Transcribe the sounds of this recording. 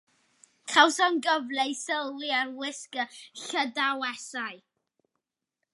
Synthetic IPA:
kʰawsɔnɡəvlɛɨsəlˠliarwɪskəɬədawɛsaɨ

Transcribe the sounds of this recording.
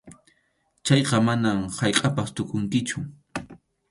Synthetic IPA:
t͡ʃɑjqɑmanamhɑjqʼɑpast̪ʊkʼʊŋkɪt͡ʃʊ

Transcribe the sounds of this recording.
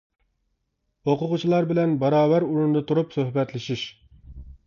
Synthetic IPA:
oqʊʁʊt͡ʃʰilˠɑɾbɪlɛnbɑɾɑːwæɾuɾund̪ɨt̪ʰuɾupsøhbɛt̪lɪʃiʃ

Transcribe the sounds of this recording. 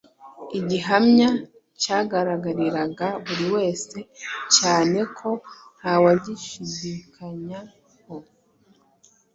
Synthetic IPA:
iɟiɦamɲa | caːɡaɾaɡaɾiɾaɡaβuɾiwe̞ːse̞caːne̞kʰo̞nhawaɟiʃidikʰaɲa | ho̞

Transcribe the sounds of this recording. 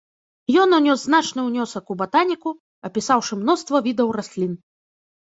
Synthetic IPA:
jɔnɔnʲɔzznat͡ʂnɨwnʲɔsɐkubat̪anʲiku | ɐpʲisawʂɨmnɔst̪vɐvʲid̪ɐwrasʲlʲin

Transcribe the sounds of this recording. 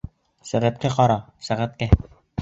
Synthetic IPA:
sæʁæt̪̚kæqɑɾɑsæʁæt̪̚kæ

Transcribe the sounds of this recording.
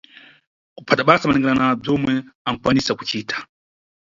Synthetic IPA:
ku̥pʰataɓasamanɛŋɡɛɾanab͡ʐɔmwɛaŋkwanisaku̥t͡ʃiːtʰḁ

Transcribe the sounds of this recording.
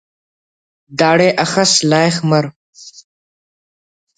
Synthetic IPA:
d̪aːɽeːʔɐxɐslaːexmɐɾ

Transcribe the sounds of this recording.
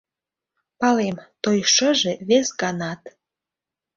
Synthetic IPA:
pɑlemt̪ojʃə̆ʒeβesɡɑnɑt̪

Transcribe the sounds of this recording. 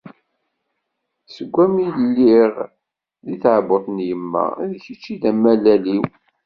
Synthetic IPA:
səɡʷːæmillːiʁ | ðiθʕbʊθˤnjəmːæ̰ðçit͡ʃːiðæmːælæliw

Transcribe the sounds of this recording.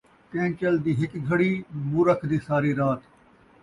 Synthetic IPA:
kẽːt͡ʃəld̪iːɦɪkɡʱəɽiːmuːɾəkʰd̪iːsaːɾiːɾaːt̪

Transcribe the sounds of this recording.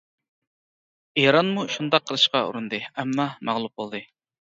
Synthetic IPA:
ejɾɑnmuʃund̪ɑqʰːəlˠɨʃqɑṵɾund̪ɨɛmːɑmɑʁlˠup̚bolˠd̪ɨ

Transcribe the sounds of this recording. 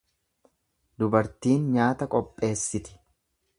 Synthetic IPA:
d̪ʊbɐɾt̪iːnɲaːt̪ɐkʼɔpʼːe̞ːsːɪt̪ɪ̥

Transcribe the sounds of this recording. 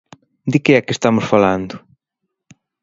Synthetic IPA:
d̪ɪkɪɛkest̪amʊsfaland̪ʊ

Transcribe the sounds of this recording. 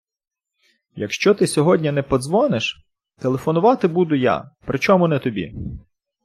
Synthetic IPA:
jɐ̰kʃt͡ʃɔt̪ɪsʲɔɦɔdʲnʲiɐnɛpɔzʋɔnɪʃ | t̪elˠefɔnʊʋɑt̪ɪbud̪ʊja̰pɾɪt͡ʃɔmʊnɛt̪ɔbʲḭ

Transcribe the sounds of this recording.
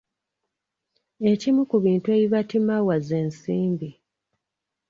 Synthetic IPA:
e̞cimukuβiːntue̞βiβatimawazeːnsiːmbi

